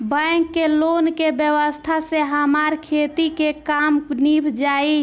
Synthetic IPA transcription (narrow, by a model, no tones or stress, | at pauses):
bəŋkːelonkebjəʋəst̪ʰaseɦəmaɾkʰet̪ikekamnibʱd͡ʒai